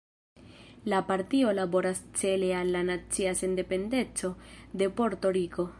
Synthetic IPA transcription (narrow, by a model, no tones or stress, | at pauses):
lapaɾtio̞labo̞ɾast͡se̞le̞alːanat͡siase̞nde̞pe̞nde̞t͡so̞de̞po̞ɾto̞ɾiko̞